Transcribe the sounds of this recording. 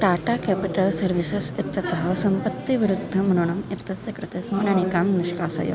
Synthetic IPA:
ʈaːʈaːkepiʈɐlsɐɾʋisesit̪ːɐt̪ɐɦɐʋsɐmpɐt̪ːiʋiɾud̪ʱːɐmɐnuɳɐmit̪ːɐsɐkɾut̪eːsmɐnɐñikaːmniʃkaːsɐ̰jo̰

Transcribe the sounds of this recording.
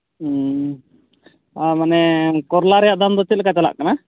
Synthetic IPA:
amanɛkɔɾlaɾɛjaʔd̪and̪ɔt̪ilkat͡ʃala̰ʔkana

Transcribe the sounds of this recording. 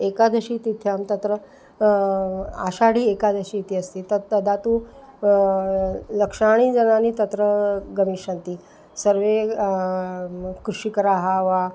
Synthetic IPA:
ekad̪ʱəɕiːt̪it̪ʰjamt̪ɐt̪ɾə | a̰ʃaɽiːekad̪ʱəɕit̪iːəst̪iːt̪ət̪d̪ʱat̪u | ləkʂaɽ̃iːd͡zənanit̪ət̪ɾəɡəmiːʂənt̪iː | səɾʋe | kɾuʂikɐɾaɦaʋa

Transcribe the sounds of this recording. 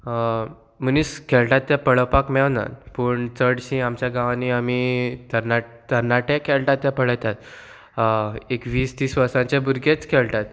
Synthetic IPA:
məniːskʰɛɭʈat̪ːɛ̃pəɭəpakmɛna̰pəːɳt͡səɽɕĩamt͡ɕjaɡãʋãniamit̪əɾna | t̪əɾnaʈẽkʰɛlʈat̪ːɛ̃pəɭət̪at̪ | ekʋiːst̪iːsʋəɾsãɲt͡ɕebuɾɡet͡skʰɛɭʈat̪̚

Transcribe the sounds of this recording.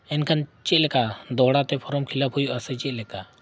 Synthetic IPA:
ɛnkʰant͡ʃɛlɛkad̪ɔɦɽat̪ɛpʰɔɾɔmkʰilapʰujuasɛt͡ʃɛlɛka

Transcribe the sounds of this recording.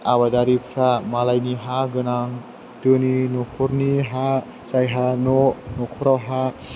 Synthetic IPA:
aβadaɾipʰɾamalajniɦaɡɯnaŋ | tɯninɔkʰɔɾniɦa | t͡ʃajɦanɔnɔkʰɔɾawɦa

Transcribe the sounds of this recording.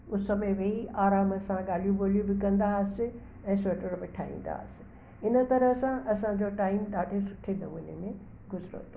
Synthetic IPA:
ʊsəmẽʋeɦiʔaːɾaːmɐsãɠaːl̤ijũboːl̤ijũbɪkɐ̃nd̪asɪ | ɛ̃ːsoːʈəɾbɪʈʰa̰ːɦḭ̃ːn̆d̪a̰ːsɪ̥ | ɪnə̆t̪ɐɾəsãʔɐsãd͡ʑoːʈaːɪmɗaːɖʱesʊʈʰenɐmũːnḛmẽ | ɡʊzɾo̰t̪ʰo

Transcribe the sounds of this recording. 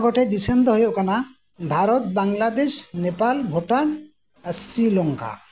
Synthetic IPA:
ɡɔʈed̪isemd̪ɔɦojokana | bʱaɾɔt̪̚baŋlad̪eʃnepalbʱoʈan | asɾilɔŋka̰

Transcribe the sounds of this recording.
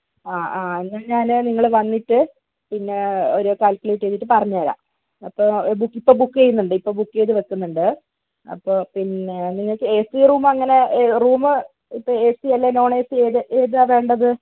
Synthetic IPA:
aːaːenːɐɲaːnɨniŋːɐɭʋɐnːiʈːɨ | pinːe̞oɾukaːlkuleiʈːeːt̪ːiʈːɨpɐrɐɲːaːɾa̰ː | ɐpːoːbukːipːo̞ːbukːejunːuɳɖɨipːo̞ːbukːe̞ːðɨʋɐtːunːuɳɖɨ | ɐ̰pːoːpineniŋːɐɭkːɨesiruːmɐŋːɐne̞ruːmɨ | ipːoesiɐlːeno̞ːɳeːsieːðɨʔeːðaʋe̞ːɳɖɐðɨ

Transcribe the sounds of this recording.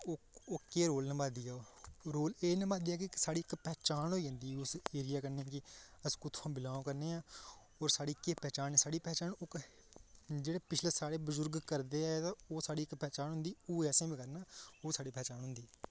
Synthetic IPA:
oːoːkeːɾoːlnə̃baːd̪iːɛːɾoːleːnəbãːd̪iːɛːk̬ɪsaːɽiːɪkpɛːt͡ʃaːnɦoːiːɦə̃nd̪iːʊseːɾɪjaːkəɾnẽːãːkɪəskʊt̪ʰãːbɪlãːõːkəɾneːãː | ɔːɾsaːɽiːkeːpɛːt͡ʃaːnɛsaːɽiːpɛːt͡ʃaːnoːk | d͡ʒeːɽeːpɪt͡ʃʰleːsaːɽeːbəzʊɾɡkəɾd̪eːɛt̪ãːoːsaːɽiːɪkpɛːt͡ʃaːnɦʊ̃nd̪iːoːɛːsẽːbiːkəɾnaːoːsaːɽiːpɛːt͡ʃaːnɦʊ̃nd̪iːɛː

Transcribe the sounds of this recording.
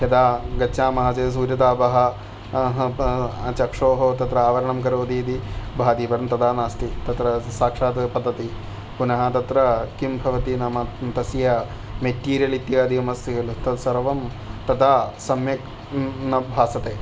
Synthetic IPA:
ɦɐd̪aːɡɐːaːmɐɦɐd͡ʒeːs̬uːɾjɐd̪aːbɐɦɐ | ɦɐt͡ʃɐkʂoːɦoːt̪ɐt̪ɾɐaːʋɐɾɐɳɐmkɐɾoːd̪iːd̪ibʱaːd̪iːpɐɾɐmt̪ɐd̪aːnaːst̪it̪ɐt̪ɾɐsaːkʂaːt̪ɐpɐd̪ːɐt̪i | punɐɦɐ̆t̪ɐt̪ɾɐkimbʱɐʋɐt̪inɐmɐt̪ɐsjɐ | meʈːiːɾijɐlit̪jɐaːd̪iɐmɐst̪iɡɐlut̪ɐt̪sɐɾʋɐm | t̪ɐd̪aːsɐmjɐk | nɐbʱaːsɐt̪eː

